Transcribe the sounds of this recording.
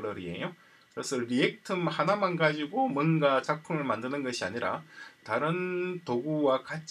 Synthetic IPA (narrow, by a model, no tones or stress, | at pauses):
ɾʌɾie̞̰jo | kɯɾesʰʌɾie̞k̚tʰɯmhanamanɡad͡ʑiɡomwʌnɡat͡ɕak̚pʰumɯɭmandɯnɯnɡʌɕʰia̰ɲiɾa̰taɾɯntoɡuwakat͡ɕ